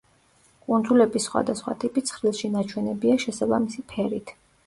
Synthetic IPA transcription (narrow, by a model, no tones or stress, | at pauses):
kʼund̪zulɛbisːχwa̰d̪asχwa̰t̪ʼipʼit̪sʰχɾilˠʃinat͡ʃʰwɛnɛbiaʃɛsabamisipʰɛɾit̪ʰ